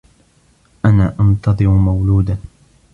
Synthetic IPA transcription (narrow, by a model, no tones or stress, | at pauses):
ʔanaːʔɑnt̪ɑðˤɨmʊmawluːd̪a